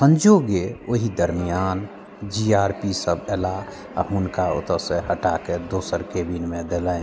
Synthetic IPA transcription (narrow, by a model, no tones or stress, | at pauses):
sə̃nd͡ʒoɡeoɦid̪əɾmijan | d͡ʒiaɾpisəbɛla | a̰ɦunkao̰t̪əsẽɦəʈaked̪osəɾkebinmed̪elɛ